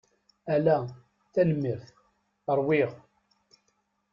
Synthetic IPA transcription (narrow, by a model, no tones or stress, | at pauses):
ælæ | θæləmːəɾθ | əɾˤwiʁ